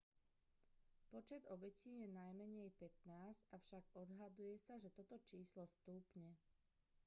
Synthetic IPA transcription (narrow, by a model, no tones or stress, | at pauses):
pɔt͡ʃɛd̪ɔbɛciːjɛnajmɛɲɛjpɛt̪naːzcafʃaɡɔd̪ɦad̪ujɛsaʒɛt̪ɔt̪ɔt͡ʃiːslɔst̪uːpɲɛ